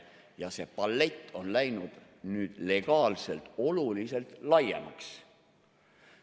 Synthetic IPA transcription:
jɑse̞pɑlːe̞t̪ːo̞nlæjnud̪̥ | nyːd̪̥le̞ɡ̥ɑːlse̞lt̪o̞lulise̞lt̪lɑjḛmɑ̰ks

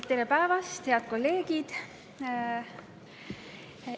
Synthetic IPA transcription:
t̪ːeɾepæevɑst̪he̞ɑd̪̥̚ko̞lːe̞ːɡ̥id̪̥

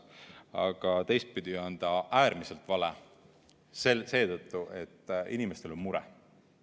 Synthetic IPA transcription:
ɑ̰ɡ̥ɑt̪e̞jst̪̚pyd̪̥ʲiɑnd̪̥ɑæːɾmise̞lt̪ːˑvɑlḛ | sese̞ːt̪ɤt̪ˑːuʔe̞t̪ːʔinimest̪e̞lo̞nmuɾɛ̰

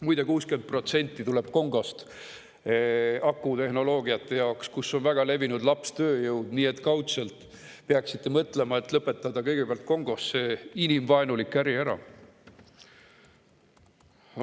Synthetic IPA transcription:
mujd̪e̞kuːskyen̚pro̞t̪se̞nʲt̪ːˑit̪ule̞b̥ko̞ŋɡ̥ost̪ | ɑkːˑut̪e̞ɦno̞lo̞ːɡiɑt̪ˑːe̞jɑokskusːo̞nvæɡ̥ɑle̞vinud̪lɑpst̪ø̞ːjɤwd̪niːe̞t̪ːˑkɑwt̪selt̪ˑ | peɑksit̪ːe̞mɤt̪ːˑle̞mɑe̞t̪ːˑlɤpːˑe̞t̪ːˑɑd̪ɑkɤ̞jɡ̥epeɑlt̪̚ko̞ŋɡ̥o̞sːeinimvɑenulikːˑæɾiæɾɑ̰

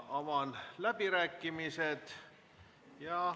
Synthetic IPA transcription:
omɑnlæpirækːimiset̪ | jɑ

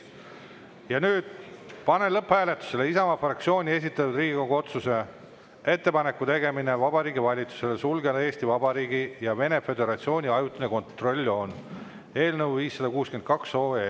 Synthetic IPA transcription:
jɑnyːd̪̥̚pɑne̞lɤpːhæːle̞t̪ːˑu̥se̞leisɑmɑfrɑkt̪sio̞ːnʲie̞s̬ʲit̪ːˑɑt̪ːˑud̪riːɡikoɡuo̞t̪suse̞ | e̞t̪ːe̞pɑne̞kːˑut̪e̞ɡe̞mine̞vɑbɑɾiːɡivɑlʲit̪su̥se̞lesulɡelee̞ːsʲt̪ivɑbɑɾiːɡijɑve̞ne̞fe̞d̪e̞ɾɑt̪sio̞ːnʲiɑjut̪ːˑuneko̞nt̪ro̞lʲːo̞ːn | e̞ːlnəwviːsːɑd̪ɑkuːsken̚kɑksoːe

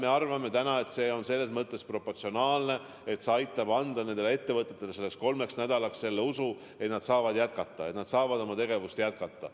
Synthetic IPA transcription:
me̞ɑrvɑme̞t̪ænɑe̞t̪se̞ːo̞nse̞lːe̞smɤt̪ˑːe̞spro̞pːort̪sionɑːlne̞ | e̞t̪seɑjt̪ːˑɑb̥ɑnd̪̥ɑne̞nd̪̥eee̞t̪ːe̞vɤt̪ːˑe̞t̪ːˑe̞le̞se̞lːeksko̞lme̞ksnæd̪̥ɑlɑksse̞lːeusu | e̞t̪nɑd̪̥sɑːvɑd̪jæt̪̚kɑt̪ːˑɑe̞t̪nɑd̪̥sɑːvɑd̪o̞mɑt̪e̞ɡe̞vust̪jæt̪̚kɑt̪ˑːɑ

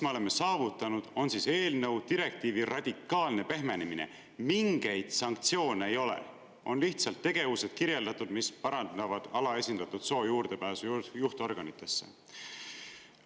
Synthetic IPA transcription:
smɑo̞le̞mɑsɑːvut̪ːˑɑnud̪̥o̞nsise̞ːlnɤ̞wd̪iɾe̞k̚t̪iːvirɑd̪̥ʲikːˑɑːlne̞pe̞ɦme̞neminḛ | miŋɡ̥e̞jd̪̥sɑŋkt̪sio̞ːneejo̞lḛ | o̞̰nliht̪sɑlt̪ːe̞ɡ̥e̞vuse̞d̪̥̚kiɾje̞ld̪ɑt̪ːˑud̪̥mispɑɾɑnd̪ɑvɑd̪̥ɑlɑe̞sʲind̪̥ɑt̪ːˑud̪̥so̞ːjuːrd̪̥e̞pæːsujjuht̪o̞rɡ̥ɑnit̪ːˑe̞sːe̞̰

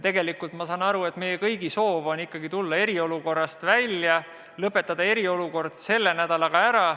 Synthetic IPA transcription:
t̪e̞ɡe̞likult̪mɑsɑnɑɾue̞t̪me̞jekɤjɡ̥iso̞ːvo̞nikːɑɡ̥it̪ulːɑe̞ɾio̞luko̞rːɑst̪vælʲjɑ | lɤpːˑe̞t̪ːˑɑd̪̥ɑe̞ɾio̞luko̞rd̪̥se̞lːe̞næd̪̥ɑlɑɡ̥ɑæɾɑ

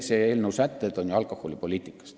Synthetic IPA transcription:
seeːlnəwsæt̪ːˑed̪̥o̞njuɑlkoholipo̞lʲiːt̪ːˑikːˑɑ̥st̪

